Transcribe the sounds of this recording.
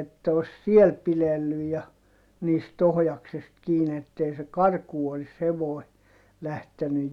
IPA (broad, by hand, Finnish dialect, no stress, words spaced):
etːæ os siel pilelːyj jɑ niːst ohjɑksest kiːn etːei se kɑrkuː olis heʋoˑi̯ læhteny